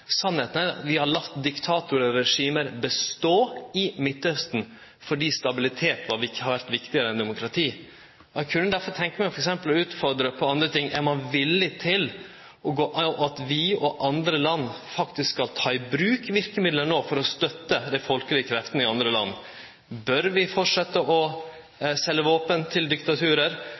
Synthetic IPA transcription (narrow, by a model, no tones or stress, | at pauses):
sɑnːheːt̪næɾɑt̪ʋɪhɑɾɭɑt̪ːd̪ɪkt̪ʰɑːt̪ʊɾəɾɛʂiːməɾbəst̪oːɪmɪt̪ːœst̪n̩ | fɔɖiːst̪ɑbɪlɪt̪ʰeːt̪ʋɑɾʋɪhɑɾʋæɾt̪ʋɪkt̪ɪəɾəɛnd̪ɛmʊkʰɾɑt̪ʰiː | ɔɛkʰʉnːəd̪æɾfɔɾt̪ʰɛŋkəmæɪfɔɾɛksɛmpəlʉːt̪fɔɾd̪ɾəpʰɔɑnd̪ɾət̪ʰɪŋːʔɛɾmɑnʋɪlːɪt̪ʰɪl | ʔɔɡoːʔɑʔɑt̪ʋɪɔʔɑnd̪ɾəlɑnːfɑkt̪ɪsskɑlt̪ʰɑːɪbɾʉːkʋɪɾkəmɪd̪lənoːfɔɾɔst̪œt̪ːəd̪æɪfɔlkəlɪəkʰɾɛft̪ənɪɑnd̪ɾəlɑ̰nː | bœɾʋɪfɔʈʂɛt̪ːəʔɔ | sɛlːəʋoːpənt̪ʰɪld̪ɪkt̪ɑt̪ʰʉːɾəɾ